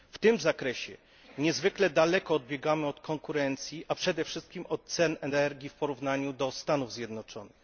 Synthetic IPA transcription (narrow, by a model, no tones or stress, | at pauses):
ft̪ɘmzakɾɛɕɛ | ɲɛzvɘklɛd̪alɛkɔːd̪̚bʲjɛɡamɘɔt̪kɔŋkuɾɛnt̪sʲjiʔapʂɛd̪ɛfʂɘst̪̚kʲimɔt̪̚t̪sɛnɛnɛɾɡʲifpɔɾuvnaɲud̪ɔst̪anuvzʲjɛd̪nɔt͡ʂɔnɘx